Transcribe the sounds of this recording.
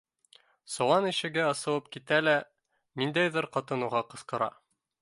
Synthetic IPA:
sŏwˠɑniʃɘ̆ɡæɤsɤ̆w̪ˠɤp̚kit̪ælæ | nind̪æjðɘɾqɑt̪ɤ̆nuʁɑqɤ̆sqɤ̆ɾɑ̰

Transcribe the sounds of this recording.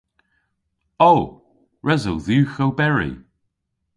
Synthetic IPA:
o | ɹʔɛzəwðʉːxowbɛɹḭ

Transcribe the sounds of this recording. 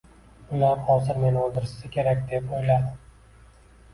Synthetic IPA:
ʊlaɾhɒzɪɾmenolˠd̪ɪɾɪssɪkʲʰe̞ɾakʲd̪e̞pojlad̪ɪ

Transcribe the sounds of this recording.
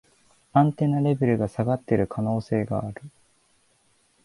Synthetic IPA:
ãnt̪e̞naɾe̞be̞ɾɯ̟ɡasaɡat̪ːe̞ɾɯ̟kʰano̞ːse̞ːɡa̰ːɾɯ̟

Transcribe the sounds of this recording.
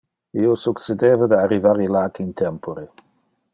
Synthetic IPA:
iosuksed̪eːvad̪earivaɾilaːkint̪ʰɛmpoɾe

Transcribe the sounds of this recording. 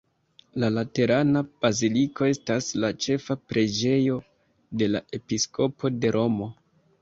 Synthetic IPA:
lalate̞ɾanab̥azilikʰo̞e̞staslat͡ʃe̞fapɾʔe̞d͡ʒe̞jo̞ | de̞laʔe̞pisko̞pʰo̞de̞ɾʔo̞mo̞

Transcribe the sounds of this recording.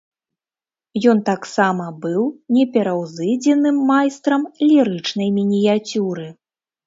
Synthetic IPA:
jɔnt̪aksamɐbɨwnʲɛpʲɛɾɐwzɨd͡zʲɛnɨmːajst̪ɾɐmlʲiɾɨt͡ʂn̪ɐjmʲinʲijat͡sʲuɾɨ

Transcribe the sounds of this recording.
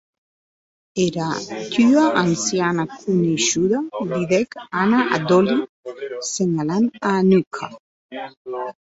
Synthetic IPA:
eɾat̪yaʔansjanakʰuniʃuðad̪iðɛkanaa̰d̪oli | seɲalananukʰa

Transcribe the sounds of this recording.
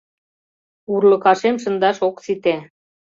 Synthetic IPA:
urlɤ̆kɑʃemʃ̬ə̆nd̪ɑʃoksit̪æ

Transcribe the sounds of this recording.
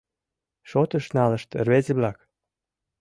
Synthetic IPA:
ʃot̪ə̆ʃnɑlə̆ʃt̪rβezeβlɑk

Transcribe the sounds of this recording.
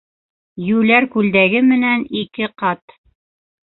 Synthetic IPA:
jʉlæɾkʉld̪æɡɘmɘ̆nænikɘqɑt̪

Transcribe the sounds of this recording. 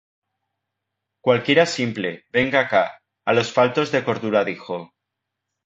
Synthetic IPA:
kwalkje̞ɾasimple̞̰be̞ŋɡaka | alo̞sfalt̪o̞zðe̞ko̞ɾðuɾaðixo̞

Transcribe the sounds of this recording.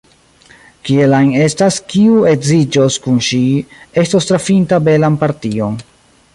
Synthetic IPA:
kielajne̞staskiue̞zid͡ʒoskunʃie̞stostɾafintabe̞lanpaɾtio̞n

